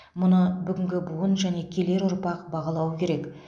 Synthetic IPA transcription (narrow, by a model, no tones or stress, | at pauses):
mʊnəbʏɡʲɪŋɡʲɪbuənʒæne̞kʲʰe̞le̞ɾʊɾpɑqbɑʁɑlˠɑwəkʲʰe̞ɾe̞k